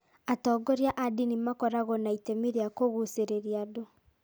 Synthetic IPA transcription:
atɔːɡɔɾjaʔadinimakɔɾaɣɔnaitemiɾeakoɣuseɾeɾiado

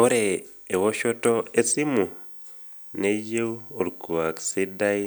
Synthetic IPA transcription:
oɾeː | βoʃotoesimu | neɟeuoɾikuwaksidai

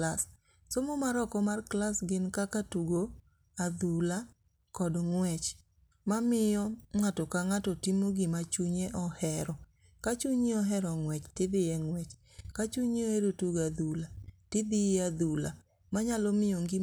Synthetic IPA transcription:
las | somomaɾɔkɔmarklasɡɪnkakatuɡo | ad̪ula | kɔdŋwɛt͡ʃ | mamɪjɔŋwatɔkaŋatɔtimoɡɪmat͡ʃuɲeʔɔhɛɾɔ | kat͡ʃuɲeɔɦɛɾɔŋwɛt͡ʃtɪd̪ɪjɛŋwɛt͡ʃ | kat͡ʃuɲeoeɾotuɡad̪ulatɪd̪ɪjɛad̪ula | maɲalɔmɪjoŋɡɪ

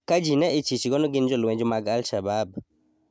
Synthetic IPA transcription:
kad͡ʒinɛɪt͡ʃit͡ʃiɡɔnɔɡɪnd͡ʒɔlwɛ̃ɲd͡ʒomaɡalʃabab̚

